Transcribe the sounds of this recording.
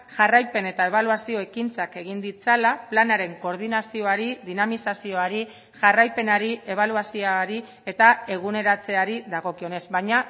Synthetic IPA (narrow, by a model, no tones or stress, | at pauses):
ʝarajpe̞ne̞t̪ae̞β̞aluasio̞e̞kint͡sake̞ɣind̪it͡salaplanaɾe̞ŋko̞ɾð̞inasio̞aɾiðinamisasio̞aɾi | ʝarajpe̞naɾie̞β̞aluasioaɾi | e̞t̪ae̞ɣ̞une̞ɾat͡se̞aɾiðaɣo̞kio̞ne̞zbajɲa